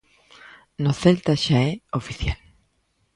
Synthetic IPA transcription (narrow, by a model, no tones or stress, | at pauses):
noθelt̪aʃaɛofiθjal